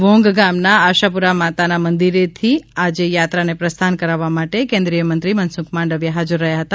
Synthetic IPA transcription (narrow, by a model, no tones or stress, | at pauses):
ʋõŋɡɡamnaːʃapuɾamat̪anamənd̪iɾet̪ʰiad͡ʒejat̪ɾanepɾəst̪ʰankəɾaʋːamaʈekẽnd̪ɾijəmənt̪ɾimənsukmãɳɖəʋjaɦad͡ʒuɾːəɦjaɦət̪a